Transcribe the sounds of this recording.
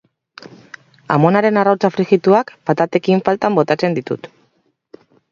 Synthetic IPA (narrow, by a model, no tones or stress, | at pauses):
a̰mo̞naɾenarawt͡safɾixit̪uakpat̪at̪e̞kiɱfalt̪ambo̞t̪at͡se̞nd̪it̪ṵt̪